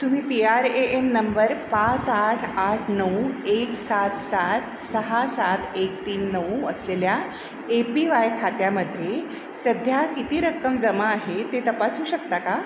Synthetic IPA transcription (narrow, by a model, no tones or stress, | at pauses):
t̪um̤iːpiaɾeʔemnəmbəɾpãt͡saʈʰaʈʰnəweksat̪sat̪ | səɦasat̪ʰek̚t̪iːnːəwəslelja | epiʋajkʰat̪jaməd̪ʱje | səd̪ʱjakit̪iːɾəkːəmd͡zəmaːɦet̪et̪əpasuːɕəkt̪aka